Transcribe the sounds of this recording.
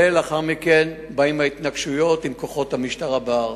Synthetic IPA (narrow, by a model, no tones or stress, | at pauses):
elaχaʁmikenbaimhait̪naɡʃujo̞t̪imko̞χo̞t̪hamiʃtaʁabaʁ